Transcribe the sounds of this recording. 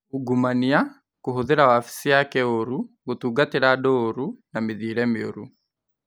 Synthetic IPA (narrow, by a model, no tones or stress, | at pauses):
uɡumania | koɦoðeɾawafi̥sijakɛoɾu | ɡotuːɡateɾadoːɾunameðiːɾɛmeo̰ɾu